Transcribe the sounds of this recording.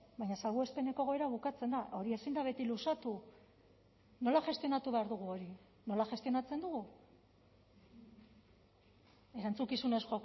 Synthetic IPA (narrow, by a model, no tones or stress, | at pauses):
baɲasalɣue̞spe̞ne̞ko̞ɣ̞o̞eɾaβukat͡se̞nd̪aʔo̞ɾie̞sind̪aβ̞e̞t̪ilusat̪u | no̞laʝe̞st̪io̞nat̪uβe̞aɾðuɣ̞uo̞ɾi | no̞laʝe̞st̪io̞nat͡se̞nd̪uɣu | e̞ɾant͡sukisune̞sxo̞